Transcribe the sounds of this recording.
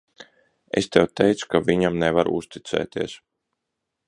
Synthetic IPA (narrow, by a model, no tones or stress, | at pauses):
ḛst̪ɛwt̪ɛjt̪su̥kaviɲamnevaɾ̰ṵst̪it̪sɛ̰ːt̪iɛs